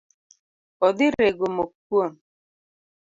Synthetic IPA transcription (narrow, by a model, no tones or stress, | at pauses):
ɔdiɾeɡomok̚uon